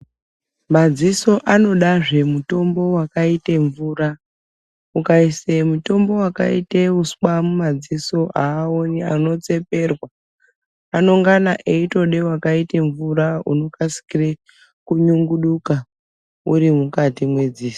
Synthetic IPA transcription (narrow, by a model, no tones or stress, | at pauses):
mad͡ziso̞ʔano̞ɗaʐe̞muto̞mbo̞wakaiteɱvuːra | ukaisemuto̞mbo̞waka̰ḭteuswamumad͡ziso̞ʔaːonia̰no̞t͡se̞pe̞rwa | ano̞ŋɡanaʔeito̞ɗe̞wakaite̞ɱvuɾaṵno̞kasi̥kire | kuɲuŋɡuɗuka | uɾimukatimwe̞d͡ziːso̥